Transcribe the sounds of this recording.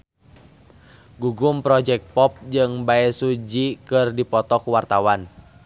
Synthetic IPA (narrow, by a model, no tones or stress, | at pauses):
ɡuɡumpɾɔd͡ʒɛk̪̚pɔp̚d͡ʒɨŋbaɛsud͡ʒikɨrdipɔt̪ɔkuwart̪awan